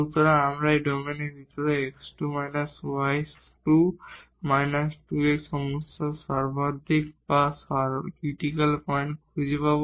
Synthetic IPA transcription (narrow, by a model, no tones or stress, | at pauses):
ut̪ɔɾaamɹaeɖɔmeneɾbʱit̪ɔɹɔeksʈumajnaswajs | ʈu | majnasʈueksɔmusɔsaɾbad̪ʱikbasakɹiʈikalpɔjnkʰuzipab